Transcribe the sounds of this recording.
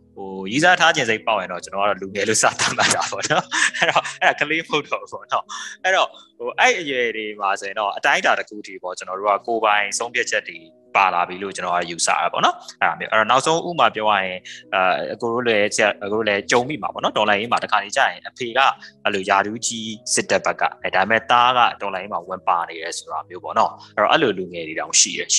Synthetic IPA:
ho˨ju˨za˦tʰa˦d͡ʑɪ̃˨nze˦ɪpːa̰˦˨jɪ̃˨ndɔ˦˨t͡ɕə˦nɔ˨a̰˦˨ɔ˦˨lu˨ŋɛ˨lo̰˦˨sä̰˦˨t̪ã˦˨ma˦˨a˨pɔ̰˦˨nɔ˦ʔɛ˦ɹɔ˨ʔɛ˦ɾa˨kʰəle˦məho˦ʊtʰo˨˦pɔ˦˨nɔ˦ʔɛ˦ɾɔ˨ho˨ʔɛ˦i˨ʔəjwɛ˨ɾe˨ma˨so˨jɪ̃˨ndɔ˦˨ʔətã˦ɪ̃nta˨təkʰṵ˦˨ətʰi˦˨pɔ̰˦˨t͡ɕənɔ˨ɾo̰˦˨ɡa̰˦˨ko˨bã˨ɪ̃sʰõ˦pʰja˦t̚t͡ɕʰɛ˦tːe˨ | pa˨la̰˨bji˨lo̰˦˨t͡ɕənɔ˨a̰˦ɔ˨ju˨sa̰˦˨a̰˨pɔ̰˦˨nɔ˦ʔɛ˦ɾa˨mjo̰˦ʔɛ˦ɹɔ˨na˦ʊʔsʰõ˦ʊ̃ʔṵ˦bə˨ma˨pjɔ˦ja̰˦˨jɪ̃˨ | ko˨o̰˦˨lɛ˦sja˨o˨o˦˨lɛ˦t͡ɕõ˨ʊ̃mḭ˦˨ma̰˨bɔ̰˦˨nɔ˦tɔ̃˨lã˨je˦ma˨təkʰa˨ni˦t͡ɕä̰˦˨jɪ̃˨ʔəpʰe˨ɡa̰˦˨ʔə˦lo˨ja˨ɾu˦t͡ɕi˦sɪ˦tːɛ˦ʔb̥ɛ˦kːa̰˦˨˦da˨ɪ˨mɛ̰˦˨t̪a˦ɣa̰˦˨tɔ̃˨lã˨je˦ma˨wɪ̃˨mpa˨ne˨ɾɛ˨so̥˨ɾa˨mjo˦bɔ̰˦˨nɔ˦ʔɛ˦ɹɔ̰˨ʔɛ˦lo˨lu˨ŋɛ˨ɾe˨ɾã˨ʊ̃ʃḭ˦˨ɾɛ̰˨

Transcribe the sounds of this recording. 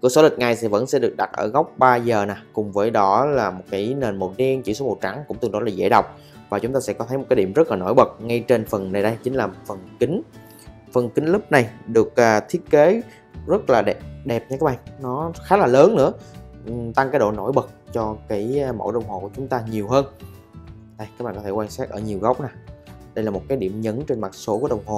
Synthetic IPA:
ku˧˩əso˨˧˦lï̟˨˩ŋa˨˩jsɛ̰˧˥və̰˧˥nsɛ̰˧˥ɗɨ˨˩ək̚ɗa˨˩t̚ʔəː˧˩ɣa˦˥wk͡p̚ɓaː˧zəː˨˩naː˨˩kʊ˨˩ŋ͡mvəː˨˦jɗɔ˨˦laː˨˩mo˨˩t̚kaː˨˦jne˨˩nmo˨˩t̚ɗi˧ənt͡ɕi˧˨wso˨˦mo̰˨˩t̚t͡ɕa˧˩˦ŋkʊ˧˥ŋ͡mt̪ɨ˧˩ɔ˨˦˥laː˨˩ḛ˧˥ɗə˨˩wk͡p̚ | vaː˨˩t͡ɕʊ˨˦ŋ͡mt̪aː˧sɛ̰˧˥kɔ˨˦ə˨˦jm˨˩t̚kːɗi˧˩mzə˦˥laː˨no̰˧˥˦jɓə˨˩t̚ŋa˧jt͡ɕe˧nfə˨˩nna˨˩jɗə˧jt͡ɕï˨˦ŋ̟laː˨˩fə˨˩nkï˨˦ŋ̟ | fə˨˩nkï˨˦ŋ̟lɨ˦˥p̚na˨˩jɗɨ˨˩ək̚ʔaː˨˩t̪ʰi˦˥ət̚ke˨˦ | zə˦˥t̚laː˨˩ɗɗɛ˨˩p̚ɲaː˧kaː˦˥ɓa̰ː˧˨nnɔ˨˦xaː˨˦laː˨˩ləː˨˦nːɨ̰˧˥ə˨ | t̪a˧ŋkaː˨˦jɗo̰˧˨no̰˧˥jɓə˨˩k̚t͡ɕɔ˧kaː˨˦jmo̰˧˥ɗə˧˨wŋ͡mho˨˩ku˧˩ət͡ɕʊ˨˦ŋ͡mt̪aː˧ɲi˨˩əwɦəː˧n | ɗə˧jkaː˦˥k̚ɓ̰ːkɔ˦˧t̪ʰe˧˩kwaː˧nsaː˦˥k̚ʔəː˧˩ɲi˨˩əwɣə˦˥wk͡p̚naː˨˩ɗə˧jlaː˨˩mo˨˩t̚kaː˨˦jɗi˧˩əmɲə˨˦nt͡ɕe˧nma˨˩t̚so˨˦ku˧˩əɗə˨˩wŋ͡mɦo˨˩

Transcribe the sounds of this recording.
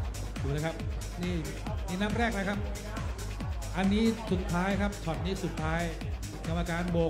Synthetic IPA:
duː˨˩ləː˦˥kʰa˦˥p̚ | niː˥˩ | niː˥˩na˦˥˩mɾɛː˥˩k̚na˦˥kʰa˦˥p̚ | ʔa˧nːiː˦˥su˨˩t̪ʰːaː˦˥jkʰa˦˥p̚t͡ɕʰɔ˨˩t̪̚niː˦˥˩su˨˩t̪ʰːaː˦˥j | ka˧mːa˧kaː˧nboː˧

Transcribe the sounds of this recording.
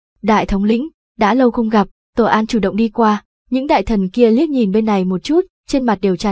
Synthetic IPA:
ɗa̰ː˧˨jt̪ʰə˨˦wŋ͡mlḭ̈˧˥ŋ̟ | ɗa̰ː˧˥lə˧wxə˧wŋ͡mɣa˨˩p̚t̪o˧˩ʔaː˧nt͡ɕu˧˩ɗə̰˧˨wŋ͡mɗi˧kwaː˧ | ɲɨ̰˧˥ŋɗa̰ː˧˨jt̪ʰə˨˩nki˧əli˦˥ət̚ɲi˨˩nɓe˧nːa˨˩jmo˨˩t̚t͡ɕu˦˥t̚ | t͡ɕe˧nma˨˩t̚ɗe˨˩wt͡ɕa˧˩

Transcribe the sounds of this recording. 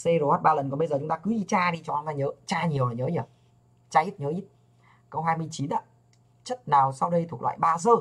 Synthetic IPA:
se˧zo˧˩hɔː˦˥t̚ɓaː˧lə˨˩nkɔ˨˩ɓə˧jzəː˨˩t͡ɕʊ˦ŋ͡mt̪aː˧kɨ˨˦ɗi˧t͡ɕaː˧ɗi˧t͡ɕɔ˧a˧˦nlaː˧˩ɲəː˨˦t͡ɕaː˧ɲi˨˩əwaː˨˩ɲəː˨˦ɲi˨˩ə˩w | t͡ɕaː˧ʔi˦˥t̚ɲəː˨˦ʔi˦˥t̚ | kə˧wɦaː˧jmɨ˧əjt͡ɕi˨˦nʔa̰ː˧˦ | t͡ɕə˦˥t̚naː˨˩wsa˧wɗə˧jt̪ʰu˨˩k̚lw̰ːjɓaː˧zəː˧˩

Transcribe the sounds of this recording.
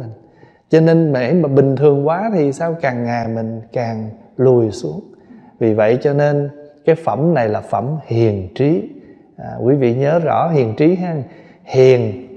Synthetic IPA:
ŋ | t͡ɕɔ˧ne˧nm˨˩˨ʔə˨˦jmː˨˩ɓï˨˩ŋ̟t̪ʰɨ˨˩əŋkwaː˨˦t̪ʰi˨˩saː˧wkaː˨˩ŋːaː˨˩jmï˨˩ŋ̟kaː˨˩ŋlu˨˩əjsu˨˦əŋvi˨˩və̰˧˨jt͡ɕɔ˧ne˧nkaː˨˦jfə˧˩mna˨˩jlaː˨˩fə̰˧˩mhi˨˩ənt͡ɕi˨˦ | ʔkwi˨˦vḭ˧˨ɲəː˨˦zɔ̰˧˥ɦi˨˩əŋt͡ɕi˨˦ɦaː˧ŋ | hi˨˩ən

